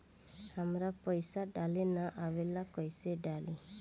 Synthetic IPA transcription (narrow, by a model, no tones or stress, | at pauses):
hamɾapɔjsaɖalenaʔawelakɔjseɖali